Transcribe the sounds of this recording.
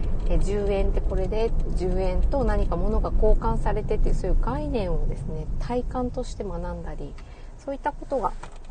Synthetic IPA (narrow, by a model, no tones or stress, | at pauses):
ed͡ʑɨːẽ̞nt̪e̞ko̞ɾe̞d̪e̞ʑɨːẽ̞nt̪o̞naɲ̟ikamo̞no̞ɡako̞ːkãɰ̃saɾe̞t̪e̞t̪ːeɯ̟sojɯ̟ɡainẽ̞ɰ̃o̞d̪e̞sɨne̞t̪ʰaikãnt̪o̞ɕi̥t̪e̞manãnd̪aɾʲi | so̞ːit̪ːako̞t̪o̞ɡa